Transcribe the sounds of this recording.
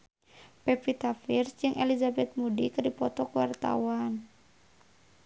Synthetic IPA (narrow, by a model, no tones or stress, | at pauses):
pɛpit̪afirsd͡ʒɨŋʔelizabɛt̪̚mudikɨrdipɔt̪ɔkəwart̪a̰wan